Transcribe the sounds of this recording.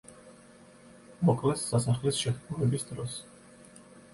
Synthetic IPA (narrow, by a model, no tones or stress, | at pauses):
mɔkʼlɛsːasaχlisʃɛt̪ɡʰʼumɛbisd̪ɾɔs